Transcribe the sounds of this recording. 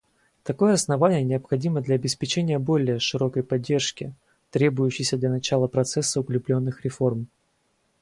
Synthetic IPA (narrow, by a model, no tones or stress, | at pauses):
t̪ɐko̞jəɐsnɐvanʲɪjənʲɪəpxɐdʲiməd̪lʲɐːbʲɪspʲɪt͡ɕenʲɪjəbo̞lʲɪjəʂɨɾo̞kəjpɐdʲːe̞rʂkʲɪ | t̪ɾʲe̞bʊjʉɕːɪjsʲəd̪lʲɐnɐt͡ɕalˠəpɾɐt̪sɛsːəʊklʲʊplʲo̞nːɨxɾʲɪfo̞rm